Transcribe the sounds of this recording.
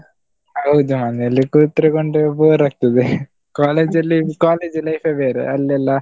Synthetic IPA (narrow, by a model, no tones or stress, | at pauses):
ɐwɯd̪umanɐlːikuːt̪ːɾɐkoɳɖɯboːɾɐkt̪ɐd̪ɯ | kaːleːd͡ʒɐlːikaːleːd͡ʒlɐjfeːʋeːɾḛɐlːɐlːɐ